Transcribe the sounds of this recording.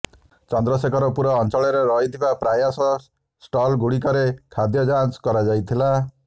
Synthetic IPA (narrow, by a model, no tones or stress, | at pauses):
t͡ʃɔnd̪ɾɔsekʰɔɾɔpuɾɔːnt͡ʃɔɭɔɾeɾɔɦit̪ʰibapɾajasɔ | sʈɔlɡuɽikɔɾekʰad̪jɔd͡ʒanskɔɾad͡ʒajt̪ʰila